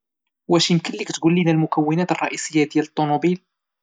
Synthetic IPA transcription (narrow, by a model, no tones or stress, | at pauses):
wæʃjəmkənlikt̪ɡulːinælmʊkæwːənæt̪ərˤːɑ̰ʔisəjːad̪jælət̪ˤːonubil